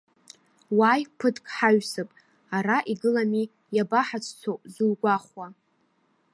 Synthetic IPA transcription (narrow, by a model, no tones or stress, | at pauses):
wajpʰɨtʰʼkʼħaɥsɨpʼ | aɾaʔiɡɨlami | jabaħat͡sʰʼt͡sʷʰozulɡʷaχwa